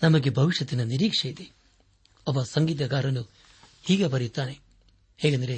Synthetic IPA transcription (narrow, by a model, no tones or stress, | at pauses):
nɐmɐɡebʱɐʋiʃjɐt̪inɐniɾiːkʂɐjid̪e | ɐbɐsɐŋɡiːt̪̬ɐɡaːɾɐnu | hiːɡepɐɾjut̪ːaːne | heːɡɐnd̪ɐɾe